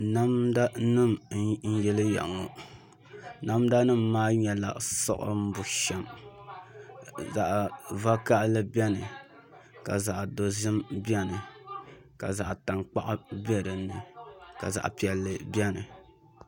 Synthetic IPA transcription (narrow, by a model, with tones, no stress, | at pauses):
na˦mda˦nɨ˦˨m˦n̩˦jɛ˦lɨ˦ja̰˨ʔŋo˨ | na˦mda˦nɨ˦mːaː˦ɲɛ˨la̰˨ʔsɔ̰˦ʔʊ̰˦m̩˦bʊ˨ʃɛ˨m | za˨ʔva˦ka˦ʔlɨ˦bɛ˦nɨ˨ | ka˨za˨ʔdo˨zɨ˦mbi˦ɛ˦nɨ˨ | ka̰˨za˨ʔta˨ŋk͡pa̰˦ʔbɛ˦ɾɨ˨nːɨ˨ka̰˨za̰˨ʔpi˨ɛ˨lːɨ˨bɛ˦nɨ˨